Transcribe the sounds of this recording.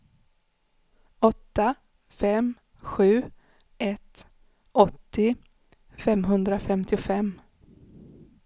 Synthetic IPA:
ɔt̪ːa | fɛm | ɧʉ̟ː | ʔɛt̪ | ʔɔt̪ːɪ | fɛmɦɵnd̪ɾafɛmt̪ʰɪʊfɛmː

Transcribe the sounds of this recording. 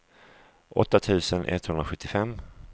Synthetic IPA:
ʔɔt̪ːat̪ʰʉ̟ːsənʔɛ̰t̪hɵnɾaɧɵt̪ːɪfɛmː

